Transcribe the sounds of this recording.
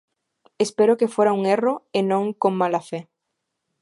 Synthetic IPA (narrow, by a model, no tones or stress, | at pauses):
espeɾokefeɾauŋeroenõŋkoŋmalafe